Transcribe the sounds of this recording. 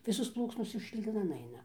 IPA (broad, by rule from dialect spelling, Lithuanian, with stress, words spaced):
ˈʋʲɪsoːs ˈplˠuːksnoːs ʃʲʊkʃʲlʲiːˈnɐn ˈɐɪnɐ